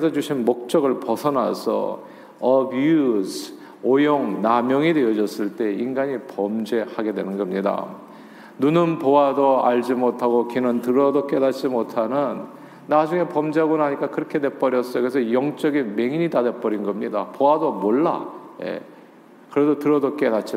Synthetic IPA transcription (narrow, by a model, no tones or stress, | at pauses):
kɯɾesʰʌd͡ʑuɕʰinmok̚t͡ɕ͈ʌɡɯɭpʌsʰʌnasʰʌ̰ | ʌbusʰ | ojoŋnamjʌŋidwe̞ʌd͡ʑʌs͈ɯɭt͈e̞inɡaɲipʌmd͡ʑe̞haɡe̞dwe̞nɯnɡʌmɲida̰ | nunɯnpoadoaʎd͡ʑimotʰaɡokinɯntɯɾʌdok͈e̞dat͡ɕ͈imotʰanɯnː | ad͡ʑuŋe̞pʌmd͡ʑeɦaɡonaɦaɲik͈akɯɾʌkʰe̞dwe̞p͈ʌɾjʌs͈ʌjokɾesʰʌjʌŋt͡ɕ͈ʌɡinme̞ŋiɲidadep͈ʌɾinɡʌmɲidapowadomoɭːa̰je̞̰ | kɯɾe̞dotɯɾʌdok͈e̞dat͡ɕ͈i